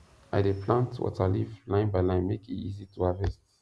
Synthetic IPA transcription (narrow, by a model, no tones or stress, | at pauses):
ʔa̰jdepʰlãntwɔ̰talivlãɪ̃nbajlãɪ̃nmekitizitʰuavɛst